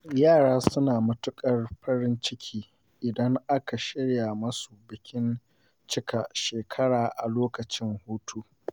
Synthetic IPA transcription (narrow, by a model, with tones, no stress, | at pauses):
jaː˦˨ɽaː˦sʊ˦naː˨mɐ˦tʊ˦kʼɐ˦rɸɐ˦ɽɪ˦nt͡ʃɪ˦kʲʰiː˦ | ʔɪ˨dɐ˦ŋʔa˦ka˨ʃɪ˦ɽja˨mɐ˦su˨bɪ˨kʲɪ˦n | t͡ʃɪ˦ka˨ʃeː˨kʰɐ˦ɽaː˨ʔa˨loː˦kɐ˨t͡ʃɪ˦ŋhuː˦tʰu˦